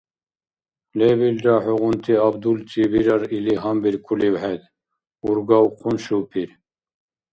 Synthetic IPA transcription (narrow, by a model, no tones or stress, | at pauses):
lebilɾɑħuʁunt̪ʰiab̚d̪ult͡sibiɾɑɾiliɦɑmbiɾkʰuliwhɛd̪ | uɾɡɑwqʰunʃupʰiɾ